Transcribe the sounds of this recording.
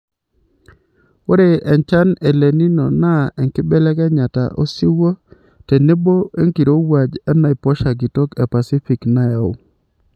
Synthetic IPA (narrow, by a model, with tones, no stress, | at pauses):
o˦ɾe˨ʔɛ˨nt͡ʃa˦ne˨le˨ni˦nɔ˨na˦ɛ˨ŋkɪ˦bɛ˦lɛ˦kɛ˦ɲa˨ta̰˨ʔo˦sɪ˦wo˦ | te˨ne˦bo˦e˦ŋki˨ɾo˦wa˨d͡ʒa˦na˦ɪ˨pɔ˦ʃa˨ɡɪ˨tɔ˦kɛ˨pa˨si˦fi˨kna˦ja˨o̰˦˨